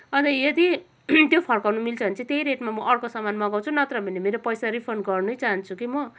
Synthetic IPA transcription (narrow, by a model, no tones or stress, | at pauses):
ʌd̪ʌjed̪i | t̪jopʰʌrkawnumilt͡sʰʌbʌnt͡sʰit̪ejɾeʈmamʌʔʌrkosʌmanmʌɡaw̃t͡sʰunʌt̪rʌbʱinemeɾopʌjsaɾipʰʌrnɡʌrnʌjt͡saɦʌnt͡sʰukimʌ